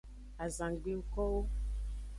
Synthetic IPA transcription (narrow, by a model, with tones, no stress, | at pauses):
a˨zã˨ɡ͡be˦u˦kɔ˦wo˦